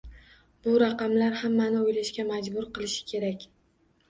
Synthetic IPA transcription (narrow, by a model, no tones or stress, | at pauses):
bʊɾaqɑmlaɾhamːanɪojlaʃkʲamad͡ʒbʊɾqɨlˠɪʃɪ̥kʲʰe̞ɾakʲ